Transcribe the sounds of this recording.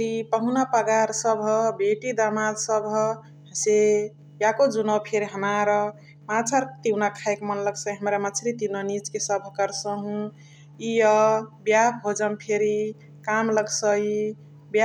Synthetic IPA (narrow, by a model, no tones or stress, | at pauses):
ipəɦunapəɡaɾsəbʱbeʈid̪amalsəbʱ | ɦse | jakod͡ʒunɔpʰeɾiɦəmaɾɔ | mat͡ʃʰəɾt̪iwnakʰaekmənləɡsəiɦəmɾamat͡ʃʰɾit̪iwnanit͡ʃkesəbʱkəɾsəɦũ | iɔbjabɦod͡ʒəmpʰeɾi | kamləɡsəi | ba